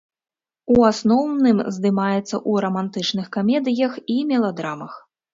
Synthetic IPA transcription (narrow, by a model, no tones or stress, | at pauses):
uasnɔwnɨmzd̪ɨmajɛt̪sːɐ̰ʔuɾɐmant̪ɨt͡ʂnɨxkamʲɛd̪ɨjɐximʲɛlˠad̪ɾamɐx